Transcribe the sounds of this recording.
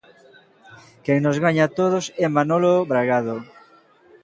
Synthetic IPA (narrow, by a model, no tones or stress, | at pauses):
kɛŋnozɣaɲat̪oðosɛmanoloβɾaɣaðo